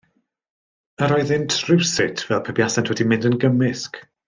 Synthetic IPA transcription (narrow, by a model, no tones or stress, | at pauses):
əɾɔɨðɪntʰrɪwsɪtʰvɛlˠpʰɛbjasantʰwɛdimɪndənɡəmɪsk